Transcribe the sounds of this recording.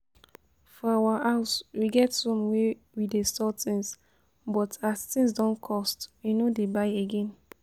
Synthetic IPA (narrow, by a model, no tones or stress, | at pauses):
fɔawaʔaʊswiɡɛtõmwe | widestɔt̪ĩŋs | bɔtast̪ĩŋs̬dɔ̃nkʰɔstwinodebaɪeɡɛ̃n